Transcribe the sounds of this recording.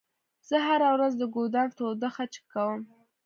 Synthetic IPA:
z̥əɦaɾawɾazd̪əɡod̪ɑnt̪od̪əxat͡ʃkːawəm

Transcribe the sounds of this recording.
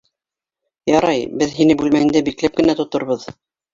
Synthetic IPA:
jɑɾɑjbɘðɦinɘbʉlmæɘ̆nd̪æbiklæp̚kɘ̆næt̪ŏt̪ŏɾβɤð

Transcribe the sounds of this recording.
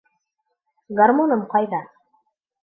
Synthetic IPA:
ɡarmonɤmqɑjðɑ

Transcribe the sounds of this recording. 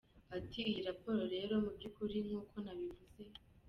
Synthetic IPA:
atʰiːjɾapo̞ːɾo̞ɾe̞ɾo̞mubɟukuɾiŋ̥huːkʰo̞naβivuze̞

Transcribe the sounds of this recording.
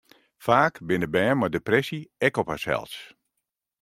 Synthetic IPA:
faːkbɪnəbɛːmadeprɛsiɛkɔpasɛ̰lˠs

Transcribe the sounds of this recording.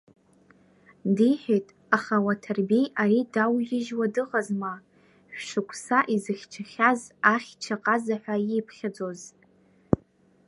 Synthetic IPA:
diħᶣetʼ | aχawatʰarbe̞jaɾidawjɪʒwadɨʁazma | ʃʷᶣʂɨkʷʰʼsaʔizɨχʲt͡ʃʰaχʲazaχʲt͡ʃʰaqʼazaħʷᶣajipʰχʲad͡zʼo̞z

